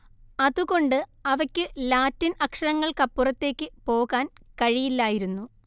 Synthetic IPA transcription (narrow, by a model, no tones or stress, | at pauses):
ɐðuɣo̞ɳɖɨɐʋɐkʲːɨlaːtːinʔɐkʂɐɾɐŋːɐɭkɐpːurɐt̪ːe̞ːkʲːɨpo̞ːɣaːnkɐɻijilːaːjiɾunːu